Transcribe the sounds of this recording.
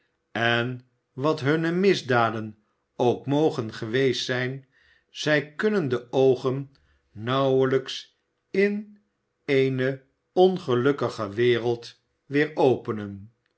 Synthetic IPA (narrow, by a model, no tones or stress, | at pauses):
ɛn | ʋɑtɦɵnəmɪzdaːdən | owkmowχənχəʋejstsɛjn | z̥ɛjkɵnəndəʔowχənː | ɑwələks | ɪn | ejnə | ɔnχəlɵkəχəʋɪːrəlˠt | ʋɪːɹowpənən